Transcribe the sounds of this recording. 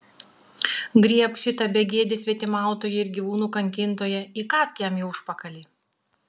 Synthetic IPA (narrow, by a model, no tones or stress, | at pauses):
ɡɾʲiɛpʃʲɪt̪ɐbʲɛɡʲiɛd̪ʲɪsʲʋʲiɛt̪ʲɪmɑˑʊt̪oːjɛɪɾɡʲiːʋuːnuːkɐŋʲkʲɪnt̪oːjɛiːkɑːskʲjɛmjɛʊʊʃpɐkɐlʲiː